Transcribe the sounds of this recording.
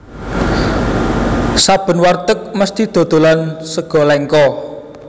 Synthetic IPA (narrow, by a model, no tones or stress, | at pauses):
sab̥ə̤nwart̪ək̚məst̪id̪̥o̤d̪̥o̤lansəɡ̥ɔ̤lɛŋkɔ